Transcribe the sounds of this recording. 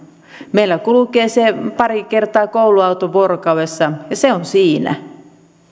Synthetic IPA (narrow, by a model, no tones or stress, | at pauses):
meilːækulukeːsepɑɾikert̪ɑːkouwluɑut̪oʋorkɑuwesːɑjɑseonsiːnæ̰